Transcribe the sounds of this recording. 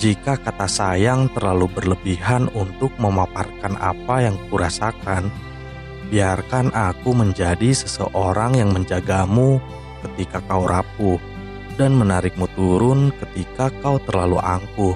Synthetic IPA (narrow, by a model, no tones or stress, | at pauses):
d͡ʒikakat̪asajaŋt̪ərlalubərləbiɦanunt̪ʊk̚məmaparkana̰pajaŋkuɾasakan | biarkanʔakuməɲd͡ʒadisəsəʔoɾaŋjaŋməɲd͡ʒaɡamu | kət̪ikakauɾʔapu | danmənaɾɪk̚mut̪uɾʊnkət̪ikakawt̪ərlaluʔaŋku